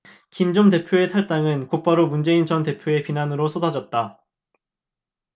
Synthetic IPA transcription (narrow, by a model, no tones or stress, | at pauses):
kimd͡ʑomde̞pʰjoe̞tʰaɭt͈aŋɯnkop͈aɾomund͡ʑe̞int͡ɕʌnte̞pʰjoe̞pinanɯɾosʰodad͡ʑʌt̚t͈a